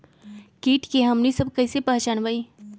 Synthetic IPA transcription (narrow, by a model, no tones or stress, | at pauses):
kiːʈkeɦɐmnisɐb̚kɐɪsepaːt͡ʃaːnʋaːi